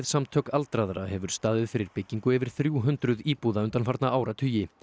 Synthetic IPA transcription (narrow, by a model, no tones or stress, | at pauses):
ðsamt̪ʰœːkalt̪ɾaðɾahɛvʏɾ̥st̪aːðɪðfɪɾɪɾpɪcːiŋkʏɛvɪɾ̥θɾjuːɦʏnt̪ɾʏðiːpuːðaʏnt̪anfaɾt̪naʔaːwɾat̪ʰʏːjɪ